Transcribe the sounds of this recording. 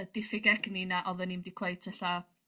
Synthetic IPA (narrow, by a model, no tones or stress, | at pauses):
d̥ɪfɪɡɛɡninaʔɔðənimdikʰw̥eɨtʰəɬa